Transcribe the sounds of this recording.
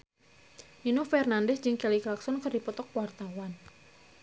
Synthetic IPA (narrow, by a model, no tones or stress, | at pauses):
ʔinofɛrnandɛsd͡ʒɨŋkɛliklaksɔnkərdipɔt̪ɔk̚pwart̪awan